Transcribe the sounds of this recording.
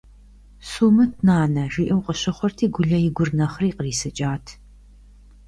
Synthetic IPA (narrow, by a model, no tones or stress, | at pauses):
suːmɨtʰnaːnɐʒiːʔɨwqʼəɕɐχʷɔrtʰiːɡʷʊɮɐjɪɡʷʊrnɐχriːqəriːsɨt͡ʃʼaːtʰ